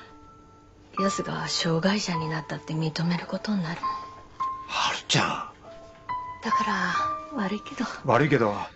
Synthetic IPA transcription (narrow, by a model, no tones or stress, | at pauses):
josɨɡa̰βɕo̞ːɡaiɕaɲ̟inat̪ːat̪ːe̞mʲit̪o̞me̞ɾɯ̟ko̞t̪o̞ɲinaɾɯ̟ | haɾɯ̥t͡ɕa̰ | d̪̥akaɾaβaɾɯike̞d̪o̞βaɾɯike̞d̪o